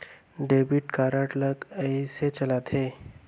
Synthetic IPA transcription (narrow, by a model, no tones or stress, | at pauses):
ɖebiʈkaɾaʈləkəjset͡ɕəlat̪ʰe